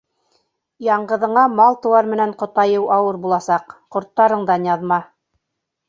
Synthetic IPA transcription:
jɑɴɢɤ̆ðɤ̆ɴɑmɑlˠt̪ɤ̆wɑɾmɘ̆næɴqŏt̪ɑjɤwʔɑwɤɾbulˠɑsɑqqŏɾt̪ːɑɾɤ̆ɴd̪ɑnjɑðmɑ

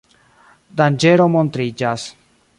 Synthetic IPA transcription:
d̪and͡ʒeɾomont̪ɾid͡ʒas

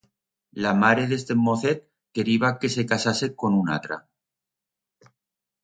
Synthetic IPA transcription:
lamaɾeðe̞st̪emoθet̪̚ | ke̞ɾiβake̞se̞kasase̞ko̞nuna̰t̪ɾa̰

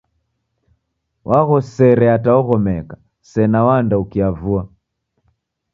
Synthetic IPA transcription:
wʔaɣɔsɛɾɛataɔɣɔmɛka | sɛnawandaukiavua

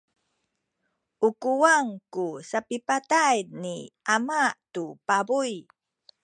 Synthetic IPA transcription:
ʔukuwaŋkusapipatajniamaʔtupabuj

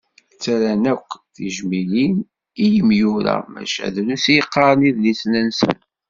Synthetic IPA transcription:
t͡sːæɾænækʷːθiʒmilin | ijəmjuɾæ̰mæ̰ʃæ̰ðlusjəqːɑɾˤəniðlisnənsə̰n

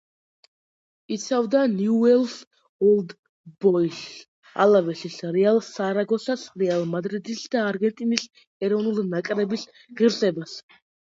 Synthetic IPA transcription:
it̪sʰavd̪anjuɛlˠs | ɔlˠd̪ | bɔis | a̰lavɛsisɾɛalˠsaɾaɡɔsasɾɛalˠmad̪ɾid̪isd̪aːɾɡɛnt̪ʼinis | ɛɾɔvnulˠnakʼɾɛbis | ʁiɾsɛbas

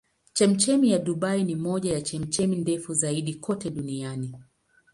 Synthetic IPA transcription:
t͡ʃɛm̩t͡ʃɛmijaɗuɓainimɔʄajat͡ʃɛm̩t͡ʃɛmindɛfuzaiɗikʰɔtɛɗuniani

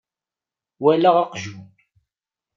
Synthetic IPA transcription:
wælaʁɑqʒu

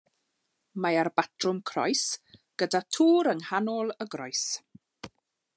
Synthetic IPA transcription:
maarbatʰrʊmkʰrɔ̰jsɡ̥ədatʰuːɾəŋhanɔlˠəɡrɔjs

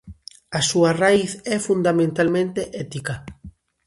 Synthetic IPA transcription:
asuɐraiθɛfund̪amẽnt̪almẽnt̪eʔɛt̪ika

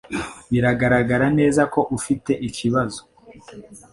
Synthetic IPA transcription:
βiɾaɡaɾaɡaɾane̞ːzako̞ʔufite̞ʔiciβazo̞

